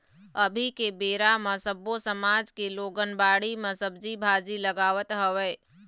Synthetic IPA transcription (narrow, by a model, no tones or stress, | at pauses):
əbʱikebeːɾamə̃səbosəmaːd͡ʒkeloːɡənbaːɽiməsəbd͡ʒibʱaːd͡ʒiləɡaːʋət̪ɦəʋɛː